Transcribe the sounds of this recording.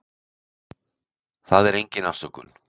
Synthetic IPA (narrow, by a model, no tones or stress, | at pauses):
θaðɛɾejɲcɪnafsʏkʏ̰l